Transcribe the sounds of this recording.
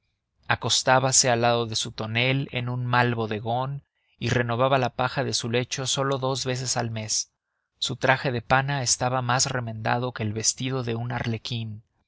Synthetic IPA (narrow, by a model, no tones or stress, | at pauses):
ako̞st̪aβase̞alːaðo̞ðe̞sut̪o̞ne̞le̞̰nunmalβo̞ðe̞ɣo̞n | ire̞no̞β̞aβalapaxaðe̞sule̞t͡ʃo̞so̞lo̞ðo̞zβe̞s̬e̞salme̞sː | ut̪ɾaxe̞ðe̞panaest̪aβamasre̞mẽ̞nd̪a̰ðo̞ke̞ːlβe̞st̪ið̞o̞ðe̞unaɾle̞kin